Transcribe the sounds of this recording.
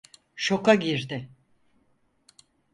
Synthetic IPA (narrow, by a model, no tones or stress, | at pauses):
ʃo̞kaɟiɾd̪ɪ